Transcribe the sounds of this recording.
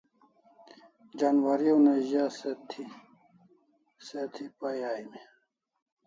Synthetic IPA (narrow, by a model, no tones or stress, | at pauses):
d͡ʑanwɐɾioneʑaset̪ʰi | set̪ʰipɐjaːime